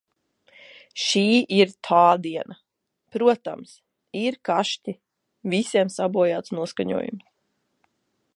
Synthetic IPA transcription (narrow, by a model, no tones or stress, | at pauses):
ʃiːiɾt̪ʰaːd̪iɛnʔa | pɾuɔt̪a̰ms | iɾkaʃti | visiɛmsabuɔjaːt̪snuɔskaɲṵɔjṵms